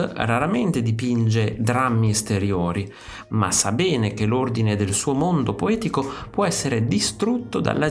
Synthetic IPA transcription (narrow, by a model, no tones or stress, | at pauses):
raɾament̪ed̪ipind͡ʒed̪ɾamːiest̪eɾjoːɾi | ma̰sːabɛːnekelːord̪ined̪elsuːomond̪opoɛːt̪ikopwɔɛsːeɾed̪ist̪ɾut̪ːod̪a̰lːa